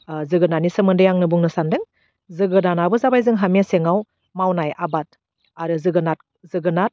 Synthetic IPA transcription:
zɯɡɯnanisɯmɯndɯjaŋnɯbuŋnɯsandɯŋ | zɯɡɯdanabɯzabajzɯŋɦamaseŋaw | mawnajʔabat̚ | aɾɯzɯɡɯnat̚ | zɯɡɯnat̚

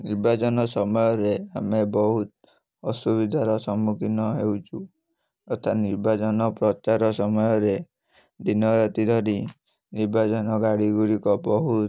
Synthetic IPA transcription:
niɾbat͡ʃɔnɔsɔmɔjɔɾeamebɔɦut̪ | ɔsuβid̪ʱaɾɔsɔmukinɔɦewt͡ʃʰu | ɔt̪ʰaniɾbat͡ʃɔnɔpɾɔt͡ʃaɾɔsɔmɔjɔɾe | d̪inɔɾɔt̪id̪ʱɔɾi | niɾbat͡ʃɔnɔɡaɽiɡuɾikɔbɔɦut̪

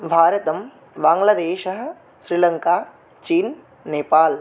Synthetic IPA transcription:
bʱaːɾɐt̪ɐm | ʋaːŋɡlaːd̪eːʃɐɦɐ̆ | ʃɾilɐŋkaː | t͡ʃiːnː | eːpaːl

